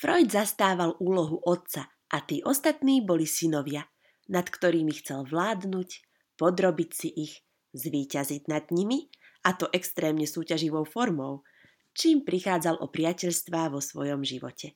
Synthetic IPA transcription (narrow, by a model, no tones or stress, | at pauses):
fɾɔjd̪zast̪aːʋaluːlɔɦuʔɔt̪̚t͡sa | ʔat̪iːʔɔst̪at̪niːbɔlisinɔʋɪa | nat̪kt̪ɔɾiːmixt͡sɛlʋlaːd̪nuc | pɔd̪ɾɔbicsiʔiɣ | zʋiːcaziɟnad̪ɲimi | at̪ɔʔɛkst̪ɾɛːmɲɛsuːcaʒiʋɔʊfɔɾmɔʊ | t͡ʃiːmpɾixaːd͡zalʔɔ̰pɾɪacɛʎst̪ʋaːʋɔsʋɔjɔmʒiʋɔ̰cɛ